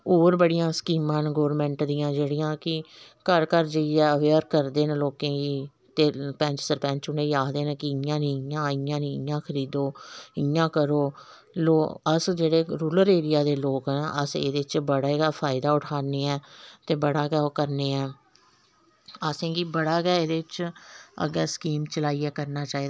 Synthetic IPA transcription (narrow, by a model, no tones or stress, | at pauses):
oːɾbəɽijãːskiːmãːnɡoːɾmɛ̃ɳʈd̪ɪjãːd͡ʒeːɽijãːkɪkəɾkəɾd͡ʒəiːɛːəʋeːɾkəɾd̪eːnːloːkẽːɡiː | t̪eːpɛ̃ɲt͡ʃsəɾpɛ̃ɲt͡ʃʊneːiːaːd̪eːnə̃ːkɪɪjãːnĩːɪjãːɪjãːnĩːɪjãːkʰəɾiːd̪oːɪjãːkəɾoː | loːəsd͡ʒeːɽeːɾuːləɾeːɾɪjaːd̪eːloːkːnʔəsḛːd̪eːt͡ʃbəɽaːeɡaːpʰaːɪd̪aːʊʈʰaːneːɛːt̪eːbəɽaːɡɛːoːkəɾneːɛː | əsẽːɡiːbəɽaːɡɛːed̪eːt͡ʃə̰ɡɛːskiːmt͡ʃəlaːiːɛːkəɾnaːt͡ʃaːiːd̪